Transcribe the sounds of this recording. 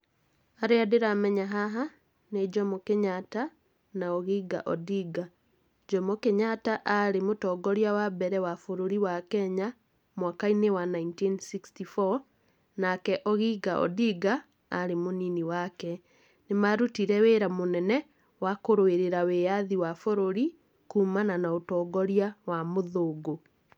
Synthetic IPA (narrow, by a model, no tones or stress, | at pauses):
aɾeadeɾamɛɲaɦaɦa | ned͡ʒɔmɔkeɲata | naoɣiɡa̰ʔɔdiɡa | d͡ʒɔmɔkeɲataʔaɾemotɔːɡɔɾjawabɛɾɛwafoɾoɾiwakɛɲa | mwakainewanaintinsikstifɔ | nakɛʔɔɣiɡaʔɔ̰diɡaː | ɾemoniniwakɛ | nemaɾutiɾɛweːɾamonɛnɛ | wakoɾoeɾeɾaweaðiwafoɾoɾi | kuːmananaotɔːɡɔɾiawamoðoːɡo